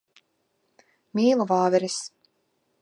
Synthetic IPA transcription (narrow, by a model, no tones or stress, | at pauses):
mʲiːlˠɔvaːvɛɾis